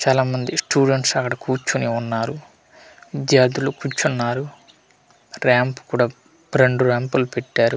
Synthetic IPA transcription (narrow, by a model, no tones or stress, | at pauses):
t͡ʃaːlaːmɐnd̪isʈuːɖeɳʈsɐkːɐɽɐkuːt͡ʃːuniunːaːɾu | ʋid̪jaːɾd̪ilukut͡ʃːunːaːɾu | ɾaːmpu̥kuːɽaː | bɾeɳɖuɾaːmpɐlupɛʈːaːɾu